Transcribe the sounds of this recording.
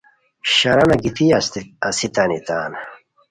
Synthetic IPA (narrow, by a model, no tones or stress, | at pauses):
ɕɐɾɐnɐɡit̪iɐsɐsit̪ɐnit̪aːn